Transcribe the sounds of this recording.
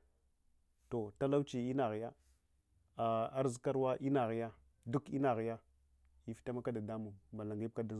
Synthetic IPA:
to˨ta˦la˦wt͡ʃi˨i˦na˨ɣi˨ja˦ | a˨a˦ɾzi˦ka˦ɾwa˦ʔi˦na˨ɣi˨ja˦ | du˦ki˦na˨ɣi˨ja˦ | i˨fi̥˦ta˦ma˦ka˦da˨da˦mu˨ŋba˨la˨ŋɡi˦b̚ka˦da˨

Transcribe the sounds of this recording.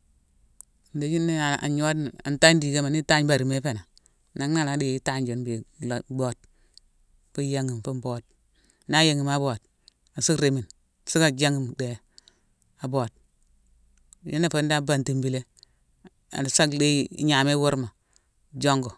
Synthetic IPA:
n̩˨de˨d͡ʒi˦nːe˦˨a̰˨ɲo˦da̰˨nta˦di˨ɡe˦ma˨ni˦ta˦ɲba˨ɾi˨me˦pe˨na˨ | na˨ŋna˦˨la˨di˦ta˦ɲd͡ʒo˨˦nbe˨lo˨ɡ͡bo˦d̚ | fu˦ja˦ŋi˨m˨fu˦mbo˦d̚ | na˦je˨ŋi˨ma˦bo˨d̚ | a˨su˦ɾe˨mi˨n˨ | si˦ka˨d͡ʒa˦ŋi˦˨mde˨ | a˨bo˨d̚ | ji˦nːe˦˨fo˦n˦da˦ba˨nti˨mbi˨le˦ | a̰˨sa˦kde˦ɲa˨me˦wo˦ɾma˨ | d͡ʒo˦ŋɡo˨

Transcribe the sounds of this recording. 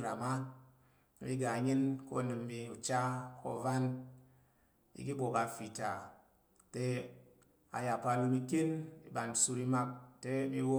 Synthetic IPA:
ɾa˨ma˦ | i˦ɡa˨˦ɲɨ˦nko̰˦˨nɨ˨m˦bi˨u˨t͡ʃa˦kʰo̰˦˨va˦n | ḭ˦ki˦bo˨ka˨fi˨ta˨ | te˦ | a̰˨ja˨pa˨lu˦mi˦ke˦ni˨ba˨n˨su˦ɾi˦ma˦k̚te˦mi˦wo˦

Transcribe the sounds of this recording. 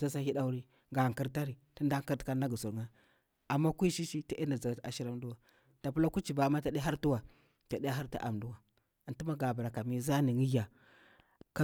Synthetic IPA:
a˦sa˦hi˦da˦u˦ɾi˦ | ɡa˨ŋki˦ɾta˦ɾi˨ti˦nda˦ka˦ɾtka˦na˦ɡu˨su˨ɾŋa˦ | a˨mːa˦kʷi˦ʃi˦ʃi˦ti˦i˦nda˨za˨ɡa˨ta˨ʃi˦ɾa˦m˦du˦wa˨ | ta˨pu˦la˦ku˦t͡ʃi˨ba˨ma˦ta˨ɗa˦ɾtu˦wa˨ | ta˨ɗi˦ja˦ɦa˦ɾtḭ˦ʔa˨mdu˦wa˨ | a˨nti˦ma˦ɡa˨ba˨ɾa˨ka˨mi˦za˦ni˨ŋi˦ja˨ | ka˦

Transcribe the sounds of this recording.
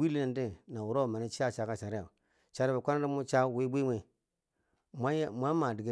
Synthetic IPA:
i˦li˦na˨ndi˦na˨wu˨ɾo˦˨ma˨ni˦t͡ʃi˦a˦˨t͡ʃa˨˦ka˦t͡ʃa˨ɾi˦ja˨ | t͡ʃa˨ɾba˨kʷa˦na˦ɾi˦mu˦t͡ʃa˦we˦bi˦mʷe˨ | ma˦mʷa˦ma˨di˨ɡe˦

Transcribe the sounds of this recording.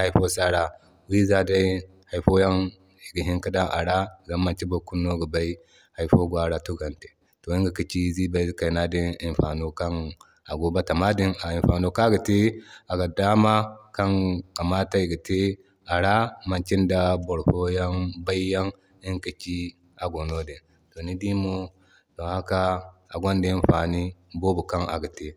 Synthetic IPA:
ha˨jɸo˦sa˦ɾa˦ | wi˦za˦da˦j | ha˨jɸo˦ja˦n | i˨ɡi˨ɦi˦ŋka˦da˦ʔa̰˨ɾa˦za˦mːa˨nt͡ʃi˦bo˨ku˦nːo˦ɡu˨ba˦i˦ | ha˨jɸo˦ɡʷa˦ɾa˦tu˦ɡa˨nte̥˨ | to˨i˦ŋɡa˨ki˨t͡ʃi˦zi˦ba˨i˦ka˨jna˦di˦ni˨nɸa˨no˦ka˦n | a˨ɡo˦ba˦ta˨ma˦di˦na˨i˨nɸa˨no˦ka˦ɡa˨te˦a˨ɡa˨da˦ma˦ka˦ŋka˨ma˦ta˦i˨ɡi˨te˦ | a˨ɾa˦ma˨nt͡ʃi˦nda˦bo˨ɾfo˦ja˦nba˦i˦ja˦ŋ | i˦ŋki˨t͡ʃi˦ | a˨ɡo˨no˦di˨n | to˨ni˦di˦mo˦ | to˨ha˦kaː˦˨ɡʷo˦ndi˦i˦n˦ɸa˨ni˦bo˦bu˨ka˦na̰˨ɡa˨te˦

